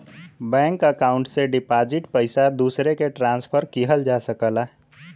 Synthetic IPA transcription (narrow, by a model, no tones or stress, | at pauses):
bɛ̃ŋkəkaʊɳʈseɖipad͡ʒiʈpəɪsad̪usɾekeʈɾãnspʰəɾkiɦəld͡ʒasəkəla